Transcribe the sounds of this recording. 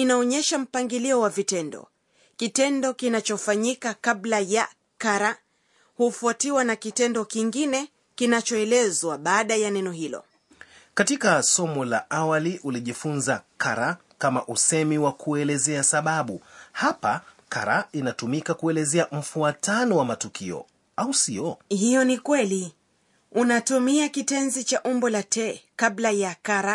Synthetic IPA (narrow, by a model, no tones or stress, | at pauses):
inaɔɲɛʃam̩paŋɡiliɔwavitɛndɔ̰ | kitɛndɔkinat͡ʃɔfaɲikakaɓlaja | kaɾa | hufuatiwanakitɛndɔkiŋɡinɛ | kinat͡ʃɔɛlɛzwaɓaːɗajanɛnɔhilɔ̰ | katikasɔmɔlaʔawaliʔuliʄifunzakaɾa | kamaʔusɛmiwakʰuɛlɛzɛasaɓaɓuhapakaɾainatumikakuɛlɛzɛam̩fuatanɔwamatukiɔ̰ | ausiɔhijɔnikwɛli | unatumiakitɛnzit͡ʃaʔumbɔlatʰɛkaɓlajakaɾa